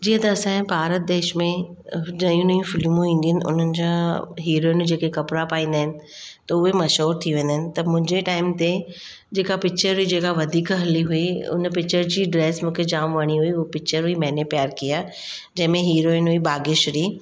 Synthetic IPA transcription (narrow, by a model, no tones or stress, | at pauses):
d͡ʑiːə̃t̪ɐːsãɦbʱaːɾət̪̚d̪eːʃmẽd͡ʑɐ̃ijũnɐjũfɪlmũĩːn̆d̪iənɪ̆ʊ̰n̤ənɪ̆d͡ʑãɦiːɾoːɪnd͡ʑeːkekɐpɾapaːĩːnd̪aɦɪnɪ̆ | t̪ɐʊɦemɐʃɦuːɾt̪ʰiʋẽːnd̪aɦɪnɪ̆t̪ɐmʊ̃ɦɪ̃ɲd͡ʑeʈaːɪmt̪e | d͡ʑeːkapɪk̚t͡ɕəɾɦuid͡ʑeːkaʋɐd̪ʱiːkɦɐliɦʊiʊ̰npɪk̚t͡ɕəɾd͡ʑiːɖɾeːsmũːkʰed͡ʑaːmʋɐɽ̃iɦuiʊpɪk̚t͡ɕəɾɦʊimɛ̃ːnepjaːɾkijaː | d͡ʑɐ̃ɦɪ̃mẽɦiːɾoːɪnɦuibaːɡɪʃɾiː